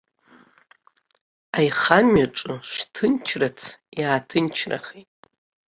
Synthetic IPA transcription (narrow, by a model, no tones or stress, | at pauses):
ajχamɥaʈ͡ʂʼɨʂtʰɨnt͡ʃʰrat͡sʰjaːtʰɨnt͡ʃʰra̰χetʼ